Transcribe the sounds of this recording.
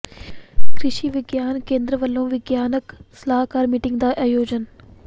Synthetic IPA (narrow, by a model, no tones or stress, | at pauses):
kɾɪʃiːʋɪɡjaːnkẽːnd̪ɾəʋəlːõːʋɪɡjaːnəksəlaːɦkaːɾmiːʈɪ̃ŋɡd̪aːʔaːjoːd͡ʑən